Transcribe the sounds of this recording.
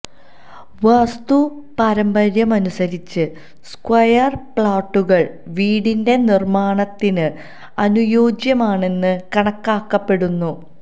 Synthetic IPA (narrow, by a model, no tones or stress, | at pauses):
ʋast̪u | pɐɾɐmbɐɾjɐmɐnusɐɾit͡ɕːɨ | skwɐjɐrpɭaːʈːuɣɐɭ | ʋiːɽinde̞nirmaːɳɐt̪ːinɨ | ɐnujo̞ːd͡ʑjɐmaːɳe̞nːɨkɐɳɐkːaːkːɐpːe̞ɽunːu